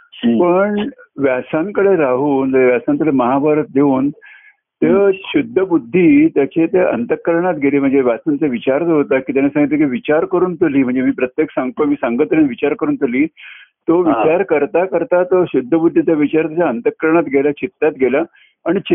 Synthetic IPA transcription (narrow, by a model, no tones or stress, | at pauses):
pəɳʋjasaŋkəɽeɾaɦuːnd͡zəeʋjasant̪əɽeməɦabaɾət̪̚d̪euːn | t̪eɕud̪ʱːəbud̪ʱːiːt̪jat͡ɕet̪eʔə̰nt̪əkːəɾɳ̃at̪ɡʱeliːm̤əɳd͡zeʋjasant͡seʋit͡ɕaɾd͡zɦot̪akiːt̪janesãŋɡit̪ekeʋit͡ɕaɾkəɾuːnt̪oliːm̤əɳd͡zemiːpɾət̪jeksaŋɡt̪omiːsaŋɡət̪ɾẽnʋit͡ɕaɾkəɾuːnt̪oliːt̪oʋit͡ɕaɾkəɾt̪akəɾt̪at̪oɕud̪ʱːəbud̪ʱːit͡saʋit͡ɕaɾt̪jat͡ɕaənt̪əkːəɾɳ̃at̪ɡʱelat͡ɕit̪ːat̪ɡʱela | aɽ̃it͡ɕi